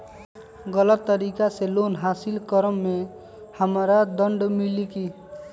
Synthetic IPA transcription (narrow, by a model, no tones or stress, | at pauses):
ɡələt̪ːəɾikaselonɦasilkəɾəmːe | həmɾad̪əɳɖmiliki